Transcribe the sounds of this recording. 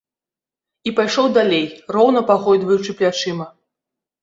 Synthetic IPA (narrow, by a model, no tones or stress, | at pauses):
ipajʂɔwd̪alʲejrɔwn̪ɐpaxɔjd̪vɐjut͡ʂɨplʲat͡ʂɨmɐ